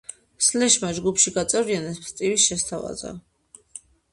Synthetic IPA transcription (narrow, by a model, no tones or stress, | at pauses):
slɛʃmad͡ʒɡupʃiɡat̪sʼɛvɾianɛsmst̪ʼivisʃɛst̪ʰava̰za̰